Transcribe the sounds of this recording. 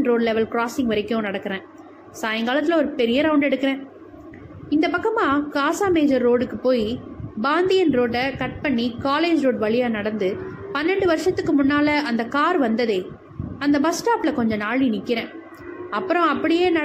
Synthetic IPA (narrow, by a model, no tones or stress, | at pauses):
nɾoːɖlɛʋɛlkɾaːsɪ̃ŋɡʋɐɾɪkːʊ̃nɐɽɐkːɐɾẽː | saːjɐŋɡaːlɐt̪ːɪlɔɾɯpɛɾɪjɐɾɐʊɳɖɛɽɯkːɐɾẽː | ɪnd̪ɐpɐkːɐmaːkaːsaːmeːd͡ʒɐɾːoːɽɯkːɯpoːjibaːnd̪ɪjɐnɾoːɖɐkɐʈ̚pɐɳːikaːleːd͡ʒɾoːɖʋɐɭɪjaːnɐɽɐnd̪ɯ | pɐnːɛɳɖɯʋɐɾʂɐt̪ːɯkːɯmʊnːaːlɐɐnd̪ɐkaːɾʋɐnd̪ɐðeː | ɐnd̪ɐbɐsʈaːplɐkɔɲd͡ʒɔ̃naːɭinɪkːɪɾẽː | ɐpːɯɾɔ̃ɐpːɐɽɪjeːnɐ